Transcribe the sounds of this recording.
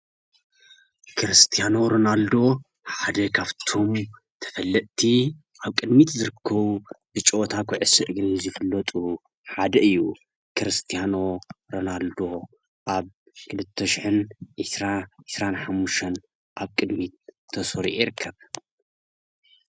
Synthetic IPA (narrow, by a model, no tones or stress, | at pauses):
kʰɨɾɨst̪ʰijano̞ɾonald̪o̞ | ħad̪ɐkʰaβt̪ʰo̞m | t̪ʰɐ̥fɐlːɐt̪ʼt̪ʰi | ʔaβkʼɨd̪mit̪zɨɾɨkʰːɐβubɨt͡ʃʼoʔt̪ʰakʰʷɔʕɨsɨʔɡɨnzɨfɨlːɐt̪ʼu | ħad̪ɐɨjːu | kʰɨɾɨst̪ʰijano̞ɾonald̪o̞ | ʔaβ | kʰɨlɨt̪ʰːɐʃɪħɨnʔɨsɾaʕɨsɾanħamːuʃt̪ʰɐn | ʔaβkʼɨd̪mit̪̚ʰːɐsoɾiʔjiɾɨkʰːɐβ